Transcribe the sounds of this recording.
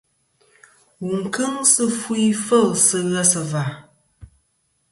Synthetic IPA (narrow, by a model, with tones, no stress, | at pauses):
wu˨ŋ̩˨kɨ˦ŋsɨ˦fu˦i˦fə˦˨lsɨ˦ɣə˦sɨ˨va˨